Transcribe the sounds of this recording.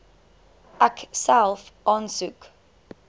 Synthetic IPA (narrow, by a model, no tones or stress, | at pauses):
ʔæksælˠfʔɑːnsuk